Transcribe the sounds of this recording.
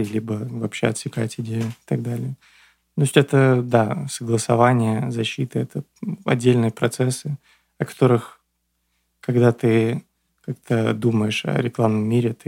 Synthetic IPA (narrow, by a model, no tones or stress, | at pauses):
lʲibəvɐpɕːeɐt̪sʲɪkaɪtʲɪdʲejʊɪ̥t̪ɐɡ̚d̪alʲɪjə | t̪osʲtʲɛt̪əd̪asəɡlˠəsɐvanʲɪjəzɐɕːit̪ɨɛt̪ə | ɐ̰dʲːelʲnɨjəpɾɐt̪sɛsːɨ | ɐkɐ̥t̪o̞ɾɨx | kɐɡd̪at̪ɨ | kakt̪ʰəd̪uməjɪʂɐ̰ɾʲɪklˠavnəmʲːiɾʲɪt̪ɨ